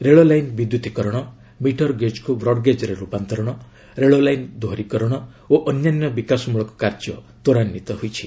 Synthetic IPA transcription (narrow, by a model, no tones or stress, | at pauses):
ɾeɭolajnbid̪jut̪ikɔɾɔɽ̃ɔ | miʈʰɔɾɡed͡ʒkubɾɔɽɡed͡ʒɔɾeɾupant̪ɔɾɔɽ̃ɔ | ɾeɭolajnd̪oɾikɔɾɔɽ̃ɔ | oʔɔnjanjɔbikasɔmuɭɔkɔ̥kaɾd͡ʒɔ | t̪oɾanːit̪ɔɦojt͡ʃʰi̥